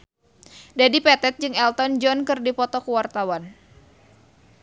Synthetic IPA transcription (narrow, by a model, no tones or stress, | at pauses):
dadipɛt̪ɛt̪̚d͡ʒɨŋɛlt̪ɔnd͡ʒɔnkɨrdipɔt̪ɔkuwart̪awan